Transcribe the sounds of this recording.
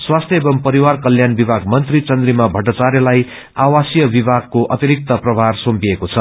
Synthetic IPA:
swast̪ʰjʌebʌmpʌɾiwarkʌljanbibʱaɡmʌnt̪rit͡sʌnd̪rimabʱʌʈʌt͡saɾjʌlaj | awasjʌbibʱaɡ̚koʔʌt̪iɾik̚t̪ʌprʌbʱarsompiekot͡sʰʌ

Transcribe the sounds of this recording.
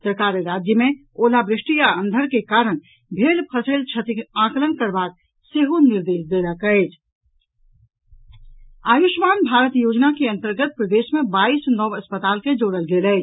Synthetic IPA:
səɾkaɾɾad͡ʒjəme | olabɾɪʂʈijaənd̪ʱəɾkekaɾəɽ̃ | bʱelpʰəselt͡ʃʰət̪ikãklənkəɾbak̚ | seɦoniɾd̪esd̪eləkəɪt͡ʃʰ | ajuʃmanbʱaɾət̪jod͡ʒnakeə̃nt̪əɾɡət̪̚pɾəd̪esmebaisnɔʋəspət̪alked͡ʒoɽəlɡelɛɪt͡ʃ

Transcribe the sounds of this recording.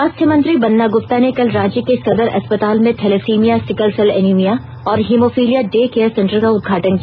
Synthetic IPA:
ɐst̪ʰjəmɐ̃nt̪ɾibɐnːaɡʊp̚t̪anekɐlɾaːd͡ʒikesɐd̪əɾɐ̰spɐt̪aːlmẽt̪ʰɛlefiːmijasɪkəlsɐlɛ̰nimija | ɔːɾɦiːmoːfiːlijaɖeːkeːjəɾsɛ̃ɳʈəɾkaʊd̪̚ɡʱaːʈənk

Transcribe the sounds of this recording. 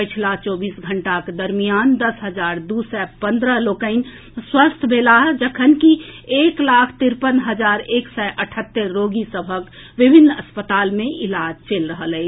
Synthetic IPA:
pət͡ʃʰlat͡ʃɔːbiːsɡʱəɳʈaked̪əɾmijaːnd̪əsɦəd͡ʒaːɾd̪uːsɛpə̃nd̪ɾəloːkəɪn | swəst̪ʰbʱeːlaɦd͡ʒəkʰənkieːklaːkʰt̪ɪɾpənɦəd͡ʒaːɾeːksɛʔəʈʰət̪ːəɾːoːɡisəbʱək | ʋɪbʱɪnːə̰spət̪aːlmẽʔɪlaːd͡ʒt͡ʃeːlɾəɦələɪ

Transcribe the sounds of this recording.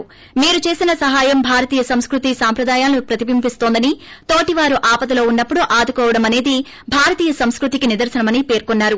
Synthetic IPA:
miːɾut͡ʃe̞ːsinɐsɐɦaːjɐmbʱaːɾɐt̪iːjɐsɐmskɾut̪isaːmpɾɐd̪aːjaːlɐnipɾɐt̪ibimpist̪ond̪ɐnit̪o̞ːʈiʋaːɾuʔaːpɐt̪ɐlo̞ːunːɐpːuɽuʔaːd̪ukɔːʋɐɽɐmɐne̞ːd̪i | bʱaːɾɐt̪iːjɐsɐmskɾut̪ikinid̪ɐɾsɐnɐmɐnipe̞ːɾkonːaːɾu

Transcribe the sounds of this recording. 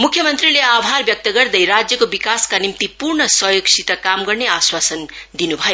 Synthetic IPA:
mukʰjʌmʌnt̪rileabʱɦarbjʌk̚t̪ʌɡʌrd̪ʌjɾad͡zjʌkobikaskanimt̪ipurɳʌsʌɦjoksʰit̪ʌkamɡʌrneaswasʌnd̪inubʱʌjo

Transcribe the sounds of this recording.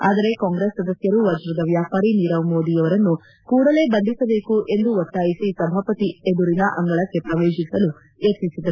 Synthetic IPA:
aːd̪ɐɾe̞kaːŋɡɾesːɐd̪ɐsjɐɾuʋɐd͡ʒɾɐd̪ɐʋjaːpaːɾiniːɾɐʋmoːd̪ijɐʋɐɾɐnːu | kuːɽɐle̞ːbɐnd̪ʱisɐbe̞ːkuʔe̞nd̪uot̪ːaːjisisɐbʱaːpɐt̪ied̪uɾinɐʔɐŋɡɐɭɐkːe̞pɾɐʋe̞ːʃisɐlu | et̪ːisid̪ɐɾ

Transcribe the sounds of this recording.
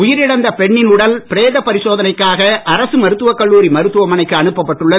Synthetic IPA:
ʊjɪɾɪɽɐnd̪ɐpɛɳːɪnʊɽɐlpɪɾeːðɐpɐɾɪsoːðɐnɐɪkːaːɣɐʔɐɾɐsɯmɐɾɯt̪ːɯʋɐkːɐɭːuːɾimɐɾɯt̪ːɯʋɐmɐnɐɪkːɯɐɳɯpːɐpːɐʈːɯɭːɐ

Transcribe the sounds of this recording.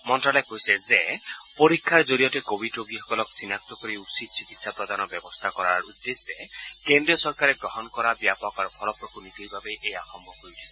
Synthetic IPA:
mɔnʈɾalɔkojsed͡ʒe | poɾikʰːaɾd͡ʒoɾijɔʈekobiʈoɡiɦɔkɔlɔksinak̚t̪ɔkɔɾiupsid̪̚t͡ʃikit̪sapɾɔd̪anɔbjɔbɔst̪ʰakɔɾaɾud̪ːesekend̪ɾiɔsɔɾkaɾeɡɾɔɦɔnɔkɔɾabjapɔkɔɾpʰɔlɔpɾɔkunit̪ʰilibabeʔejakɔmbʱɔɦojtʰi̥sʰi

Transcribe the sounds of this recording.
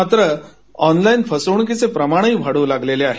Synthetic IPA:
at̪ɾə | ɔnlainfəsəɳ̃kit͡sepɾəmaɽ̃ɦiːbʱəɽuːlaɡleleaɦe

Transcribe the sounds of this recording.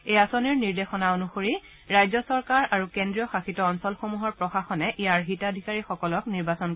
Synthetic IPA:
ejasoniɹniɹdexɔnaonuxoɹi | ɹajzɔsɔɹkaɹaɹukendɹijɔxaxitɔːnsɔlxomuɦɔɹpɹɔxaxɔnɛʔijaɹɦitadʱikaɹixɔkɔlɔkniɹbasɔn

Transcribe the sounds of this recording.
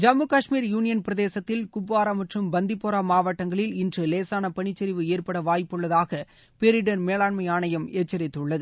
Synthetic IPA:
d͡ʒɐmɯkaːʂmiːɾjuːnɪjɐnpɪɾɐðeːsɐt̪ːɪlkʊbːaːɾamɐʈrɯmbɐnd̪ɪpːoːɾaːmaːʋɐʈːɐŋɡɐɭɪlɪndrɯleːsaːnɐpɐɳɪt͡ʃːɐɾɪʋɯeːrpɐɽɐʋaːjpːɯɭːɐðaːɣɐ | peɾɪɽɐnmeːlaːɳmɐɪjaːɳɐjɐmeːt͡ʃːɐɾɪt̪ːɯɭːɐðɯ

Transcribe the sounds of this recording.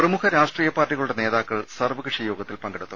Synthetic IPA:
prɐmukʰɐɾaːʂʈriːjɐpaːrʈːiɣɐɭuɽene̞ːðaːkːɐɭsɐrʋɐkɨʂɐjo̞ːɡɐt̪ːilpɐŋɡɐɽut̪ːu

